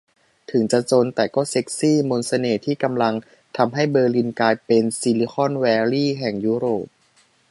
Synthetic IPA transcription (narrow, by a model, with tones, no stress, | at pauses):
t̪ʰɯ˩˦ŋt͡ɕa˨˧t͡ɕo˧nt̪ɛː˨˩kɔː˥˩se˦˥k̚siː˥˩mo˧nsa˧neː˨˩t̪ʰiː˥˩ka˧mla˧ŋ | t̪ʰa˧mɦa˥˩jbɤː˧li˧nkaː˧jpe˧nsi˧li˧xʰɔ˥˩nwɛː˧liː˥˩ɦɛ˨˩ŋjuː˥˩ɾoː˨˩p̚